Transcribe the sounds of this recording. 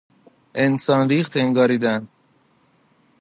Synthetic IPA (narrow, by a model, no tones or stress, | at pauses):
ʔensɒːnɾiːχt̪ʰeŋɡɒːɾiːd̪æn